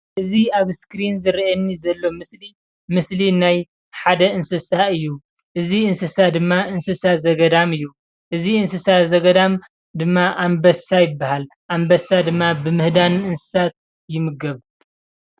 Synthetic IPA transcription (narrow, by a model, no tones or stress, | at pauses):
ʔɨziaβskɾinzɨɾiʔɐnːizɐlːo̞mɨsli | mɨslinaj | ħad̪ɐɨnsɨsaɨjːu | ʔɨziɨnsɨsad̪ɨmːaɨnsɨsazɐɡɐd̪amɨjːu | ʔɨziɨnsɨsazɐɡɐd̪am | d̪ɨmːaʔambɐsajɪbːahal | ʔambɐsad̪ɨmːabɨmɨhd̪anɨɨnsɨ̥sat̪̚ | jɪmɨɡɐβ